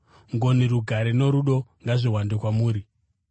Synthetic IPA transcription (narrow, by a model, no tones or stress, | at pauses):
ŋɡoniɾuɡʱaɾeno̞ɾuɗo̞ŋɡaʐiwandekwamuːɾi